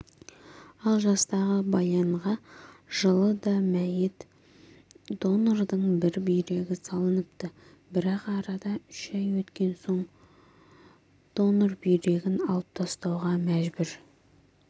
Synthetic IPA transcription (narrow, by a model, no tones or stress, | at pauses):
ɑlˠʒɑst̪ɑʁəbɑjɑɴʁɑʒ̥əlˠəd̪ɑmæjɪt̪ | d̪̥o̞nord̪əɴbɪɾbijɾe̞ɡʲɪsɑlˠənəp̚t̪ə | bɪɾɑqɑɾɑd̪ɑʏʃɑjwɵt̪kʲe̞nso̞ɴ | d̪̥o̞norbijɾe̞ɡʲɪnɑlˠəp̚t̪ʰɑst̪ɑwʁɑmæʒbʏɾ